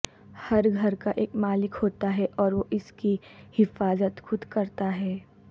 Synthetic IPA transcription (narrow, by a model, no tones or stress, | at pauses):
hɐɾɡʱɐɾkaʔeːkmaːlɪkhoːt̪aɦɛʔɔːɾʋoʔɪskihɪfaːzət̪xʊd̪kɐɾt̪aɦɛː